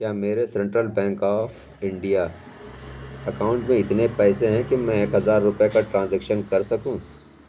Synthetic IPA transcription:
jaːmeːɾesɛ̃ɳʈɾəlbɛ̃ːŋkɔːfʰ | ɪ̃ɳɖija | ɐkaːʊ̃ɳʈmẽɪt̪nepɛːseɦɛ̃kimɛ̃eːkɦɐzaːɾːʊpjekaʈɾãːnzɛːkʃənkɐɾsɐkũː

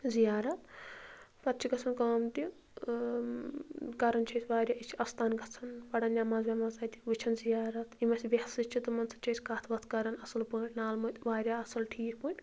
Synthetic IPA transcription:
zijaːɾɐt̪ | pɐt̪̚t͡ʃʰiɡɐt͡sʰɐnkaːmt̪i | kɐɾɐnt͡ʃʰɐsʰʲʋaːɾʲjaːit͡ʃʰiɐst̪aːnɡʱɐt͡sʰɐnpɐɽɐnʲjʲamaːzʋʲamaːzaːt̪ʲi̥ʋɨt͡ʃʰɐnzijaːɾɐt̪ʰimɐsʲʋʲɐhsɨt͡ʃʰit̪ɨmɐnt͡sʰɐ̥t͡ʃʰɐsʲkaːt̪ʰʋɐt̪ʰkɐɾɐnɐsɐlpəːʈʲnaːlmɨt̪ʲʋaːɾʲjaːɐsɐlʈʰiːkʰpɨːnʲ

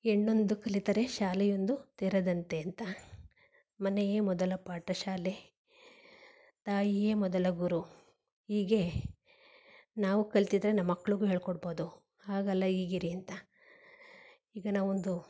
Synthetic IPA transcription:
eɳːo̞nd̪ukɐlit̪ɐɾe̞ʃaːlɛjond̪ut̪eːɾɐd̪ɐnt̪e̞ɐnt̪ɐ | mɐnejeːmɔd̪ɐlɐpaːʈɐʃaːle̞ | t̪aːjijeːmɔd̪ɐlɐɡuɾu | iːɡe̞ | naːʋukɐlt̪id̪ɾenɐmːɐkːɐɭuɡuɦeːɭkɔɽboːd̪u | aːɡɐlːɐiːɡiɾiɐnt̪ɐ | iːɡɐnaːʋond̪u

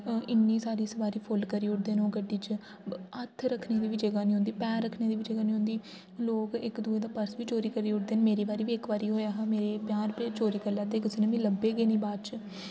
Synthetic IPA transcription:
ɪnːiːsaːɾiːsəʋaːɾiːpʰʊlkəɾiːʊʈ̚d̪eːnoːɡəɖiːt͡ʃ | ət̪ʰɾəkʰneːd̪iːʋɪt͡ʃd͡ʒəɡaːniːɦʊ̃ːnd̪iːpɛ̃ːɾəkʰːneːd̪iːʋɪd͡ʒəɡaːnĩːɦʊ̃nd̪iː | loːkɪkd̪uːeːd̪aːpəɾsʋiːt͡ʃoːɾiːkəɾiːʊʈd̪eːnmeːɾiːbaːɾiːʋiːɪkʋaːɾiːɦoːjaːɦameːɾeːpjaːɾpet͡ʃoːɾiːkəlːaːt̪eːkɪsiːnẽːmɛ̃ːləbeːɡeːnĩːbaːt͡ʃ

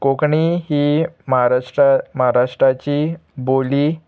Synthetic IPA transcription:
kokɳiɦiːməɦaɾaʂʈaməɦaɾaʂʈɾat͡ɕiːboli

